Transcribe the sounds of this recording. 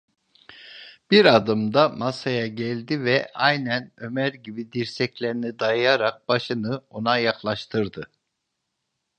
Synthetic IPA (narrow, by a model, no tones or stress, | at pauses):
b̥iɾad̪ɯmd̪amasajaɟælʲd̪ivɛʔajnænø̞mæɾɟibid̪iɾsɛclʲeɾinid̪ajajaɾak̚b̥aʃɯnɯo̞najaklˠaʃt̪ʰɯɾd̪ɯ